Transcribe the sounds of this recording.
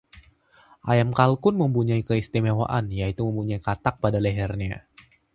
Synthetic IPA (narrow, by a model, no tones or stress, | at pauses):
ʔajamkalkʊnməmpuɲaikəist̪imewa̰ʔanjait̪uməmpuɲaikat̪ak̚padaleɦɛrɲa